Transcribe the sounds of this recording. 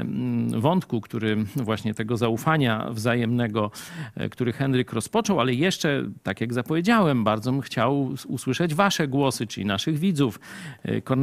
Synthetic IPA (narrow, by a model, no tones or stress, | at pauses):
vɔnt̪kukt̪uɾɘvwaɕɲɛt̪ɛɡɔzaufaɲa̰vzajɛmnɛɡɔkt̪uɾɘxɛnɾɘkɾɔspɔt͡ʂɔwalɛjɛʂt͡ʂɛt̪akjaɡzapɔvʲjed͡ʑawɛmbaɾd̪zɔmxt͡ɕawuswɘʂɛd͡ʑvaʂɛɡwɔsɘt͡ʂɘlʲinaʂɘɣvʲid̪zufkɔɾn